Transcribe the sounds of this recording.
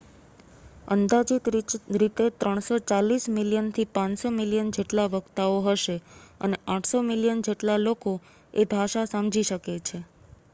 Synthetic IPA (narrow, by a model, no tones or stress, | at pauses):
ə̰nd̪ad͡ʒit̪ɾit̪et̪ɾəɳ̃sot͡ʃalismiljənt̪ʰipãnsomiljənd͡ʒeʈlaʋəɡt̪aoɦəʃeə̰neãʈʰsomiljənd͡ʒeʈlaloko | ebʱaʃasamd͡ʒiʃəket͡ʃʰe